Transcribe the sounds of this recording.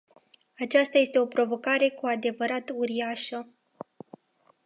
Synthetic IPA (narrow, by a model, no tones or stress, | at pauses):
at͡ʃast̪aje̞st̪e̞o̞pɾo̞vo̞kaɾe̞kuad̪e̞vəɾat̪uɾiaʃə